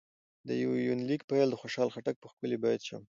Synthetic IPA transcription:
d̪əjawjunlikpajld̪əxoʃɑlxaʈak̚pəxkəlibɑjad̪ʃə̰m

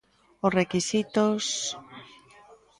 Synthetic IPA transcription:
ʊsrekisit̪os

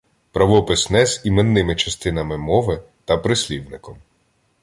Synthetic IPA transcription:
pɾɐʋɔpɪsnɛzʲimenːɪmɪt͡ʃɐst̪ɪnɐmɪmɔʋɪ | t̪ɐpɾɪsʲlʲiwnɪkɔm

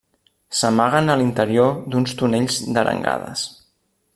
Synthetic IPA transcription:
səmaɣənəlint̪əɾiod̪unst̪uneʎzd̪əɾə̰ŋɡa̰ðə̰s

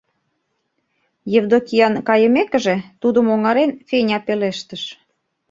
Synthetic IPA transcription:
jevd̪okiɑnkɑjə̆mekə̆ʒĕt̪ud̪əmoŋɑɾenfenʲɑpeleʃt̪ə̆ʃ

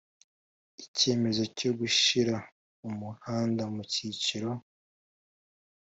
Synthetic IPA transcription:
ice̞ːme̞zo̞co̞ɡuʃiɾa | umuhaːndamuciciɾo̞

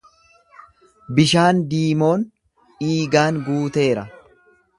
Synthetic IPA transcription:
bɪʃaːnd̪iːmo̞ːn | iːɡaːnɡuːt̪e̞ːɾɐ

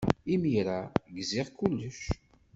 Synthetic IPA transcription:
imiɾaɡzɪʁkulːəʃ

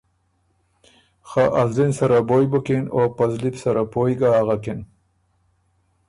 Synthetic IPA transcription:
xaʔalzinsaɾabojbəkinopazlipsaɾapojɡaaɣaken

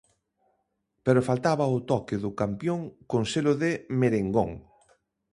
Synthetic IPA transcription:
peɾʊfalt̪aβɐʊt̪ɔkɪðʊkampjoŋkoŋselʊðɪmeɾeŋɡoŋ

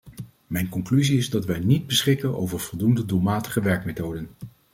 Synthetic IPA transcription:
mɛjnkɔŋklyziɪzdɑtʋɛjnid̚bəsχɪkəno̰wvəɹv̥ɔlˠdundədulˠmaːtəχəʋɛɹkmetowdən

